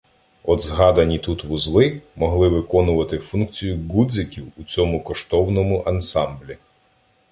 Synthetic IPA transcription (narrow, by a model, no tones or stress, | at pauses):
ɔd̪zɦɑd̪ɐnʲit̪ut̪ʋuzlˠɪmɔɦlˠɪʋɪkɔnʊʋɐt̪ɪfunk̚t͡sʲijʊɡud̪zɪkʲiwut͡sʲɔmʊkɔʃt̪ɔwnɔmʊʔɐnsɑmblʲi